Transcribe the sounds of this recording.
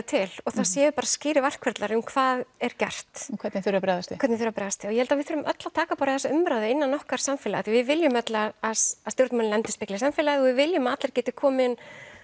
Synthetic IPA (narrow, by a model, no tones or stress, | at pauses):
t̪ʰɪlɔθaðsjɛːvʏpaːɾascɪːɾɪɾvar̥kʰvɛɾt̪laɾʏmkʰv̥aːðɛɾ̥cɛr̥t̪mkʰɛt̪nɪθʏɾapɾɛajðasɪ̥ɛɾt̪nɪθʏɾapɾɛjðast̪ɪɔjɛhɛlt̪avɪθfʏɾʏmʔœt̪lat̪ʰaːkapaːɾɪaθɛsːaʏmɾaːwðɪɪnːanːɔhkaɾ̥samfɪlaaθivɪðvɪljʏmœt̪laasast̪jowɾt̪manlɛnt̪ʏ̥spɪklɪsamfɪːlaðɪɔɣvɪðvɪljʏmaat̪laɾcɛːt̪ɪkʰɔːmɪn